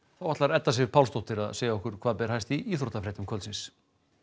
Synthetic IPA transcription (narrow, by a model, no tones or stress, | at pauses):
θawat̪laɾɛt̪ːasɪ̥pʰawlst̪ɔht̪ɪɾaðseːjaɔhkʏɾ̥kʰvaːðpɛɾ̥ɦajst̪iiːθɾot̪afɾɛjt̪ʏmkʰœlsɪ̃ns